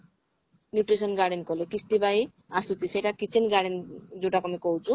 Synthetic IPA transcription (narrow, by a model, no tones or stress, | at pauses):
njuʈrisʌnɡaɖenkolekist̪ibaj | asut͡siseɾakit͡sʰinɡaɖend͡zuʈakɔmikowt͡sʰu